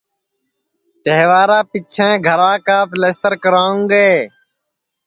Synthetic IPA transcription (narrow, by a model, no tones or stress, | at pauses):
t̪eɦʋaːɾaːpɪt͡ʃʰẽːɡʱəɾaːkaːpleːst̪əɾkəɾãːũːɡeː